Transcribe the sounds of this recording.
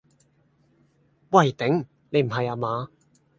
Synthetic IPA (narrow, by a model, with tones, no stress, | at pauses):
wɐ˨˩jt̪ɪ˨˥ŋ | ne˨˧jm̩˨˩ɦɐ˨jaː˧maː˨˧